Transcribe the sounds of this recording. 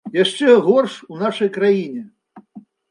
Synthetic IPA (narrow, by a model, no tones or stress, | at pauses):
jaʂt͡ʂɛɣɔrʂunaʂɐjkɾajinʲɛ